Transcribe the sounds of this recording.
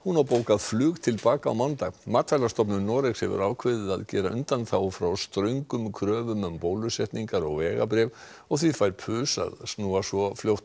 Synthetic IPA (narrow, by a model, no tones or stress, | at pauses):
hunawpoːwkaðflʏːɣt̪ʰɪlpaːkaa̰wmant̪aɣmat̪ʰfajlast̪ɔp̬nʏɾnɔːɾɪkshɛvʏ̰ɾaːwkʰvɪðɪðaðcɛːɾaʔʏnt̪anθawfɾawst̪ɾœɥŋkʏmkʰɾœːvʏmʏmpoːwlʏsɛht̪niŋkaɾɔɣvɛːɣa̰p̬ɾɛːv | ɔɣθvifajɾpʰʏːsa̰ðsnuːasvɔfljowht̪